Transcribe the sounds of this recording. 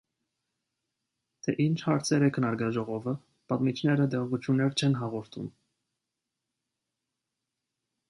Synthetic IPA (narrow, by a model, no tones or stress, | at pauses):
t̪ʰɛʔint͡ʃʰhɑɾt͡sʰɛɾɛkʰənɑɾɡɑʒɔʁɔvə | pɑt̪mit͡ʃʰnɛɾəd̪ɛʁvut͡sʰjunːɛɾt͡ʃʰɛnɦɑʁɔɾt̪ʰṵm